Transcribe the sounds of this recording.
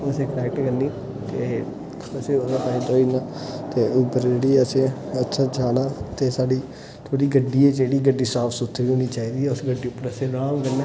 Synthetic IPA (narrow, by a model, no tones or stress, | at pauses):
əsẽːkənɛːk̚ʈkəɾniː | t̪eː | əsẽːʊsãpaːĩt̪oːiːnaːt̪eːʊpːəɾd͡ʒeːɽiːəsẽːətːʃʰaːd͡ʒaːnaːt̪eːsaːɖiː | t̪ʰoːɽiːɡəɖːiːɛːd͡ʒeːɽiːɡəɖːiːsaːpsʊt̪ʰːɾiːɦoːniːt͡ʃaːiːd̪iːʊsɡəɖːiːʊpːəɾəsẽːɾaːmkəɾneː